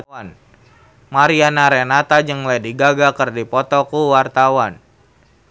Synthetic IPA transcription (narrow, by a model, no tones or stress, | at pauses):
n | maɾianaɾɛnat̪ad͡ʒɨŋlɛdiɡaɡakərdipɔt̪ɔkuwart̪awan